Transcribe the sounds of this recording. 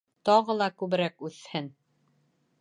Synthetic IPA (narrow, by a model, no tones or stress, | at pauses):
t̪ɑʁɤlˠɑkʉβɘ̆ɾækʉθhɘn